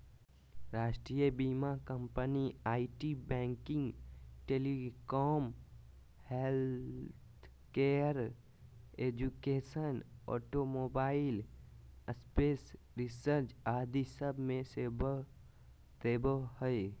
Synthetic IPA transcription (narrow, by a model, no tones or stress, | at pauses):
ɾaːʃʈɾijəbiːmakəmpəniaːiʈibɛ̃ːŋkɪ̃ŋɡʈeːlikɔːm | helt̪ʰ | keəɾ | eːd͡ʒukeːsənɔ̰ːʈomoːbaːɪləspeːs | ɾɪsəɾt͡ʃaːd̪isəbʱmẽseb | t̪eːbəhəe